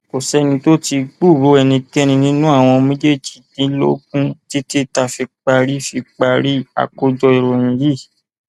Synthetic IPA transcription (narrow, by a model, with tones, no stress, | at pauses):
ko˨sɛ˦nĩ˧to˦ti˧ɡ͡bu˦˨ɾo˨˦ɛ˧nĩ˧kɛ˦nĩ˧nĩ˦nũ˦a˦˨w̃ɔ̃˧mĩ˦d͡ʒe˦˨d͡ʒi̥˨˦dĩ˨˦lo̰˦k̚ũ˦ti˦ti˦ta˧fi˧k͡pa˧ɾi˦fi˧k͡pa˧ɾi˦a̰˨ko˧d͡ʒɔ˧i˨ɾo˨jĩ˨ji˦˨